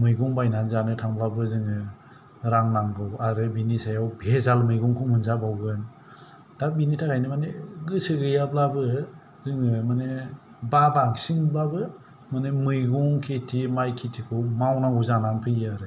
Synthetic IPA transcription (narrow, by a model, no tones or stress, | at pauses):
mɯjɡɔŋbajnanzanɯtʰaŋblabɯzɯŋɯ | ɾaŋnaŋɡɯwaɾɯbinisajawbezalmɯjɡɔŋkʰɯŋmɯnzabawɡɯn | d̥abinitʰakʰajnɯmaneɡɯsɯɡɯjablabɯ | zɯŋɯmane | babaŋsiŋblabɯ | mɯnemɯjɡɔŋkʰetʰimajkʰitʰikʰɯwmawnaŋɡuzanaŋpʰɯjaɾɯ